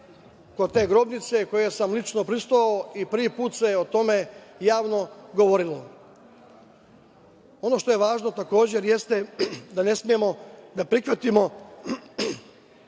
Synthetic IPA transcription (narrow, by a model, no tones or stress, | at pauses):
ko̞d̪t̪e̞ːɡɾo̞bnit̪se̞ko̞je̞samlˠit͡ʃnopɾist̪oaoipɾʋipuːt̪seot̪o̞me̞jaːʋno̞ɡoʋo̞ɾilo | o̞no̞ʃt̪o̞je̞ʋaːʒno̞t̪ako̞ːd͡ʑeɾjest̪ed̪ane̞smije̞mo̞d̪apɾixʋat̪imo̞